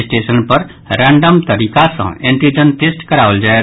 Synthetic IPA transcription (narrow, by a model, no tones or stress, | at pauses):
sʈeːsənpɐɾ | ɾɛ̃ːɳɖəmt̪ɐɾiːkasã̰ẽːɳʈid͡ʒənʈeːsʈkɐɾaːʋəld͡ʒaːe